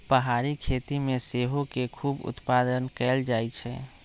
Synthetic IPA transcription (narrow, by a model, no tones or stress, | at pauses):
pəɦaɾikʰet̪imeseɦokekʰuːbʊ̰t̪pad̪ənkɛld͡ʒajt͡ʃʰɛ̰